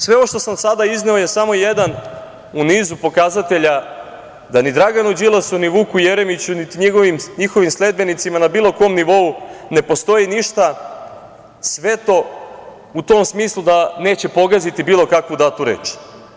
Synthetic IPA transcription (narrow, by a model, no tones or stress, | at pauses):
sʋe̞oʃt̪o̞samsad̪aizneo̞je̞samo̞je̞d̪an | uniːzupo̞kazat̪e̞ʎa | d̪anid̪ɾaɡanud͡ʒilˠasuniʋuːkujeɾe̞mit͡ɕunit̪iɲiɡoʋimɲixo̞ʋimsle̞d̪̚be̞nit̪simanabiːlˠo̞ko̞mniʋo̞une̞po̞st̪o̞jiniʃt̪a | sʋe̞t̪o̞ | ut̪o̞msmiːslˠud̪ane̞ːt͡ɕe̞po̞ɡazit̪ibiːlˠo̞kakʋud̪at̪uɾeːt͡ʃi̥